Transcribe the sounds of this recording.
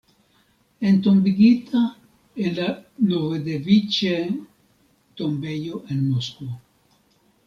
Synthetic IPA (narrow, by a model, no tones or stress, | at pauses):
ent̪ombiɡit̪ʰa | elanoβed̪evit͡ʃe | t̪ombejoʔenmoskuo